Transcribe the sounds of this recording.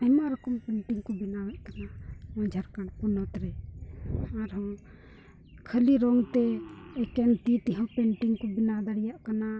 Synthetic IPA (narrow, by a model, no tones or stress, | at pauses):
ɛjmaɾɔkɔmpɛɳʈiŋkɔbinawɛʔk̪anamɔ̃d͡ʒʱaɾkaɳpunɔt̪ɾɛ | aɾɦɔ̃ | kʰəliɾɔŋt̪ɛɛkɛnt̪it̪iɦɔ̃pɛɳʈiŋkɔbinad̪aɽijaʔkana